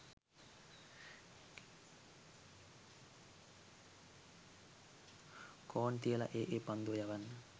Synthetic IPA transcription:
kʰɔːnt̪iəla̰ʔeːʔepand̪uəjaʋanːə

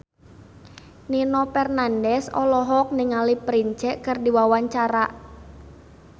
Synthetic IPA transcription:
ninɔpɛrnandɛsɔ̰lɔɦɔk̚nɪŋalipɾiɲt͡ʃɛʔkɨrdiwawaɲt͡ʃaɾa

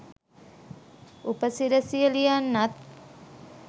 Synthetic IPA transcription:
upəsiɾəsiəlijanːat̪̚

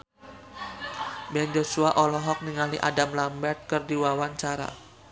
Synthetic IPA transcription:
bɛnd͡ʒosuaʔɔlɔɦɔk̚niŋaliʔa̰damlambɛrt̪̚kərdiwawaɲt͡ʃaɾa̰

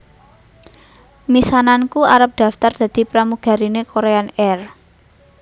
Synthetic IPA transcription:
misanankuaɾəp̚d̪̥ä̤ft̪ard̪̥ä̤d̪̥i̤pɾamuɡ̥a̤ɾinekoɾeanɛr

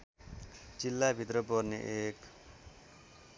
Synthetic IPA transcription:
d͡zilːabʱit̪ɾʌpʌrnḛʔek

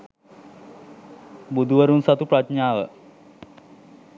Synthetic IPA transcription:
bud̪ʱuʋəɾunsat̪upɾat̪ɲaːʋə

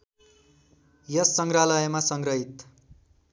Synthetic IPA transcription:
jʌsːʌŋɡralʌjʌmasʌŋɡrʌɦit̪

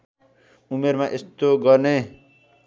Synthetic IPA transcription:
umeɾmaʔest̪oɡʌne

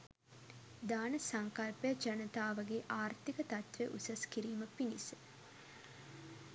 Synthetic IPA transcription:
d̪aːnəsaŋkɐlpejad͡ʒanət̪aːʋɐɡeːʔaːrt̪ikət̪at̪ʋeʔusɐskiɾiːməpinḭsə

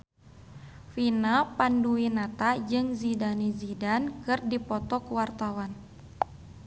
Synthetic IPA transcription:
finapanduinat̪ad͡ʒɨŋzidanizidankɨrdipɔt̪ɔkuwart̪awan

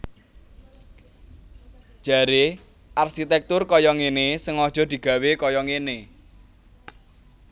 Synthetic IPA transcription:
ʒ̥a̤ɾe | ʔarʃit̪ɛk̚t̪ʊrkɔjɔŋenesəŋɔd̥ʒ̥ɔ̤d̪̥i̤ɡ̥ä̤wekɔjɔŋene

